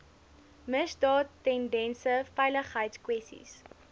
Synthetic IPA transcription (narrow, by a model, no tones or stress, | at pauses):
məsdɑːtːɛndɛnsəfɛjləχɦəjtskwɛstḭs